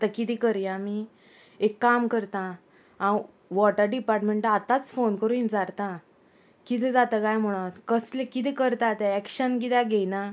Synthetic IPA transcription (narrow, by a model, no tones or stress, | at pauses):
t̪akit̪ikəɾjami | ekːamkəɾt̪ã | ã | ʋɔʈəɾɖipaɾʈmeɳʈaat̪at͡sfonkəɾuind͡zaɾt̪ã | kit̪ɛ̃d͡zat̪akajm̤əɽ̃ot̪kəslekit̪ɛkəɾt̪at̪ɛkɕənkit̪jãɡejna